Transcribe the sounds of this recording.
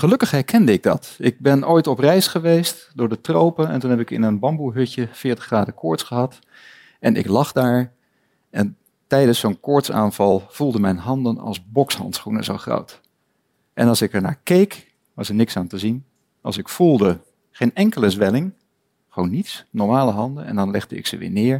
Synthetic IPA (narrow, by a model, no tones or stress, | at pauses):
χəlɵkəχɦɛɹkʰɛndəɪɡ̚dɑ̰tɪɡ̚bɛnojtɔprɛjsχəʋejst | dʊːɹdətrowpənɛ̰ntunɦɛpɪkɪ̰nənbɑmbuɦʏcəfɪːɹtəχraːdəkʰɔɹtsχəɦɑt | ɛnɪ̰klɑχdaːɹ | ɛn | tɛjdənssonkɔɹtsa̰ːnv̥ɑlˠv̥ulˠdəmɛjnɦɑndənɑ̰lˠzbɔkshɑ̰ntsχunə̰zowχro̰wt | ʔɛnɑlˠsɪkəɹna̰ːɹkejk | ʋɑsəɹnɪksaːntəzin | ɑ̰lˠsɪkfulˠdə | χejnɛŋkələzʋɛlɪŋ | χʋownːitsnɔɹmaːləɦɑndənɛ̰ndɑnlɛχdəɪ̰ksəʋɪ̰ːɹnɪːɹ